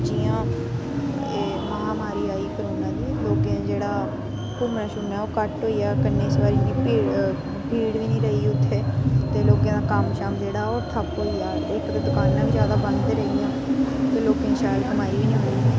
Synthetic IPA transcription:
d͡ʒijãː | eː | məɦaːmaːɾiːaːiːkəɾuːnãːd̪iːloːkãd͡ʒeːɽaː | kʊɾnãːʃʊnɛːoːkəʈɦoːiːaːkənːeːɪsʋaːɾiːnĩːiː | bʱiːɽʋiːnĩːɾəɦiːʊt̪ʰːeːt̪eːloːkjãːd̪aːkəmʃaːmd͡ʒeːɽaːoːɾt̪ʰəpɦoːiːaːeːkɾed̪ʊkaːnːãːʋiːzjaːd̪aːbənd̪eːɾəɦijãːt̪eːloːkẽːʃaːjlkəmaːiʋiːnĩːɦoːiː

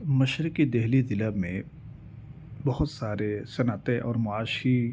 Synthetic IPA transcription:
mɐʃɾɪkid̪ɛɦlizɪlamẽ | bɐɦʊt̪saːɾesɐnat̪ẽʔɔːɾmʊaːʃi

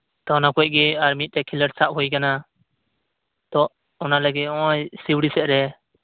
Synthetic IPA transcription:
t̪ɔɔnakɔʔ̚ˀɡɛaɾmit̪̚ˀt̪ɛkʰiləɾsaʔhujkana | t̪ɔ | ɔnalɛɡɛɔ̃jsiwɽisɛʔɾɛ

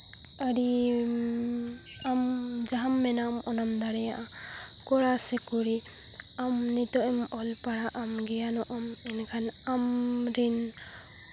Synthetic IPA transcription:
aɾi | am | d͡ʒaɦamːɛnamɔnamd̪aɾɛjaʔa | kɔɾasɛkuɾi | amnit̪ɔʔɛŋaʔɔlpaɾaʔamɡɛjanɔʔɔm | ɛnkʰan | am | ɾin

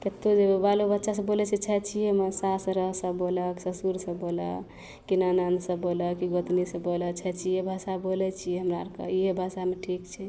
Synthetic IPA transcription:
k̪et̪ːod͡ʒebalobətːʃas̬əbolɛt͡ʃʰɛt͡ʃʰɛt͡ʃʰijemənsasɾəɦsəbboləksəsuɾsəbbolə̰ | kinanansəbboləkiɡət̪nisəbolət͡ʃʰɛt͡ʃʰiebʱasabolɛt͡ʃʰijɛɦəmɾaɾkə̰iɦebʱasameʈʰikt͡ʃʰɛ

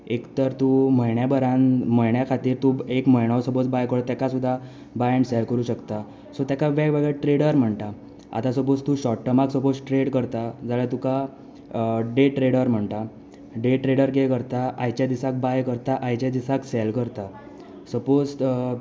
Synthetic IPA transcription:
ekt̪əɾt̪um̤əjɳjabəɾanməjɳjakʰat̪iːɾt̪uekməjɽ̃awsəbot͡sbajkəɽt̪jakasud̪ʱːa | bajəɳʈsɛlkəɾuːɕəkt̪a | sot̪jakaʋɛɡʋəɡəʈɾeɽəɾm̤əɳt̪a | a̰t̪asəpot͡st̪uɕɔʈːəmaksəposʈɾeɽkəɾt̪ad͡zaɭjat̪uka | ɖeʈɾeɽəɾm̤əɳt̪a | ɖeʈɾeɽəɾɡekəɾt̪aʔajt͡ɕjad̪isak̚bajkəɾt̪aʔajt͡ɕad̪isaksɛlkəɾt̪a | səpod͡zʈ

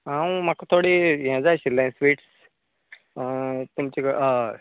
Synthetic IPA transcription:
ãwmakat̪ʰoɽijãd͡zaɕilːãsʋiːʈs | t̪umt͡ɕik

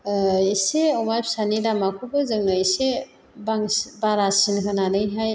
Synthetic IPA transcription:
seɔwmajpsaniɾamakʰubɯzɯŋnajse | baŋbaɾasinkʰɯnanɯjɦaj

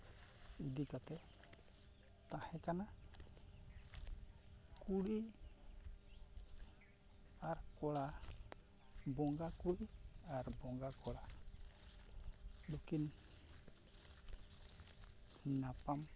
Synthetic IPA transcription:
idikat̪ɛ | t̪ãhɛkana | kuɽi | aɾkɔla | bɔŋɡakuɽiaɾbɔŋɡakʰɔla | bokin | nːapam

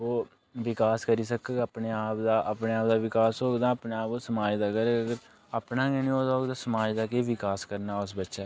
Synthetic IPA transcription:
oː | ʋɪkaːskəɾiːsəkeːɡəpneːaːpd̪aːʔəpneːaːp̚d̪aːʋɪkaːsɦoːɡd̪aːəpneːaːpoːsəmaːd͡ʒd̪aːkəɾeːəɡəɾ | aːpnaːkɛːnĩːoːd̪aoːɡd̪aːsəmaːd͡ʒd̪aːkeːʋɪkaːskəɾnaːʊsbətːʃaː

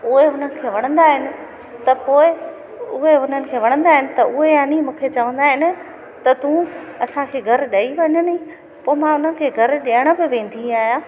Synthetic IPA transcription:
ʊɦeɦʊn̤ənɪ̆kʰeːʋɐɽ̃ə̃nd̪aːɦɪnɪ̆ | t̪ɐpoːɪ | ʊɦeʊn̤ənɪ̆kʰeːʋɐɽ̃ə̃nd̪aːɦɪnɪ̆t̪ɐʔʊɦeɦɐnimũːkʰet͡ɕɐʋə̃nd̪aːɦɪnɪ̆ | t̪ɐt̪ũː | ɐsãkʰeːɡʱɐɾɗɐiʋɐɲəni | poːɪmãʊn̤ənɪ̆kʰeːɡʱɐɾɗeːəɽ̃ə̆bɪʋẽːn̆d̪ʱiaːɦijãː

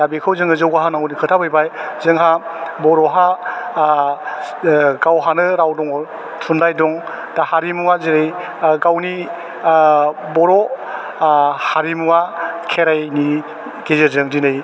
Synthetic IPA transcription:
abikʰɯwzɯŋɯzɯwɡaɦanawnikʰɯtʰabɯjbajzɯŋɦabɔɾɔɦa | ɡawɦanɯɾawdɔŋɔ | tʰundajdɔŋ | d̥ahaɾimuazeɾej | ɡawni | bɔɾɔ | haɾimuakʰeɾajni | ɡezɯɾzɯŋdinɯj

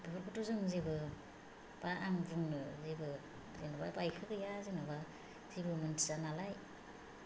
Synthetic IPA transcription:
bɯbɯɾkutuzɯŋzibɯ | b̥aaŋbɯŋnɯzibɯ | zenababajkʰɯɡɯjazinaba | zibɯmɯntʰizanalaj

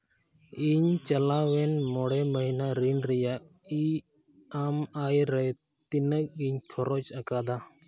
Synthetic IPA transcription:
iɲt͡ʃɐlawɛnmɔɽɛməɦinaɾinɾɛja | i | amajɾɛ | t̪inək̚iɲkʰɔɾɔt͡ʃəkad̪a

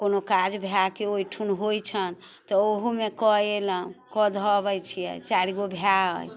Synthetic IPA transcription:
konokad͡ʒbʱjakeojʈʰunɦojt͡ʃʰən | t̪ɔoɦumekɔeləɦũkɔd̪ʱɔbət͡ʃʰijɛ̰t͡ʃaɾiɡobʱjaɦə̰j

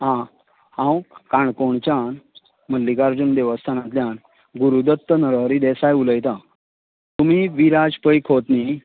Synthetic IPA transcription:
ɦã | hãwkãɳkoɳt͡ɕan | məlːikaɾd͡ʑund̪eʋəst̪ʰanãt̪ljan | ɡuɾud̪ət̪ːənəɾəɾid̪ɛsajuləjt̪a | t̪umiʋiɾad͡zpəjkʰot̪ni

